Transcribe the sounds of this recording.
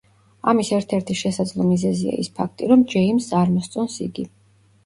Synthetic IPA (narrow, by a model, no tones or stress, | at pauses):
amisɛɾt̪ʰɛɾt̪ʰiʃɛsad̪zlˠɔmizɛzia̰ḭspʰak̚ʰt̪ʼiɾɔmd͡ʒɛimsaɾmɔst̪sʼɔnsḭɡi